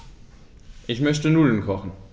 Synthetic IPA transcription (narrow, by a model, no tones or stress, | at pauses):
ʔɪçmœçtənuːlən̩kʰɔχn̩